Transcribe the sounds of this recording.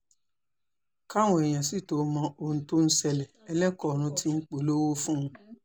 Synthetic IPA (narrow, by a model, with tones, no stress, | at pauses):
ka˦˨w̃ɔ̃˨ɛ˨j̃ã˨si˦˨to˨˦˧mɔ̃˧õ˧˨˧to˦n̩˦sɛ˧lɛ˨ɛ˧lɛ˦kɔ˦˨ɾ̃ũ˧tʰi˦ŋ͡m̩˦k͡po˨lo˦wo˦fũ˦˧